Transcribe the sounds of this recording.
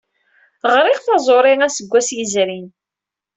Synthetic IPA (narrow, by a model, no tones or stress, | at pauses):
ʁɾɪʁθɑzˤoɾˤɪŋæsəɡʷːæsjəzɾin